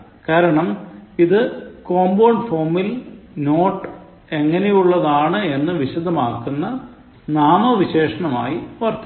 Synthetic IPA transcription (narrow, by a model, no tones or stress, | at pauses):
kaːɾɐɳɐmiðɨkoːmboːɳɖfoːmilno̞ːʈːɨ | e̞ŋːɐnejuɭːɐðaːɳɨe̞nːɨʋiɕud̪ʱɐmaːrkːunːɐ | naːmoʋiɕe̞ːʂɐɳɐma̰ːjiʋɐrt̪